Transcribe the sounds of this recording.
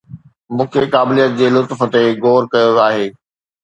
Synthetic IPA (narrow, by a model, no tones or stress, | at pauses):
mũːkʰekaːbɪlijət̪̚d͡ʑeːlʊt̪fət̪eɡoːɾkɐjoaːɦeː